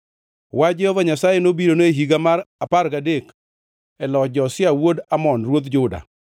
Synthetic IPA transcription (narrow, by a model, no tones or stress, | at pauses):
wad͡ʒɛhɔvaɲasajenobiɾonoeɦiɡamaɾapaɾɡadek | ɛlɔd͡ʒɔsɪawodamɔnɾwod̪d͡ʒʊda̰